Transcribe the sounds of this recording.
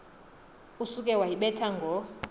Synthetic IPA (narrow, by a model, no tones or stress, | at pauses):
usukʼɛwajiɓɛtʰaŋɡʱɔ